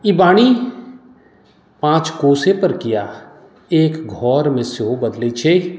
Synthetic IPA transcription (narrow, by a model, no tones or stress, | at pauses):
ibaːɽ̃i | pãːt͡ʃkoːsepəɾkɪja | eːkɡʱɔːɾmẽsjobɐd̪let͡ʃʰe